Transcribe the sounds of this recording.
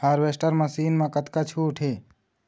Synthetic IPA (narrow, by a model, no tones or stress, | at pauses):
haːɾʋeːsʈəɾmɐsiːnmãkət̪kat͡ʃʰuːʈʰeː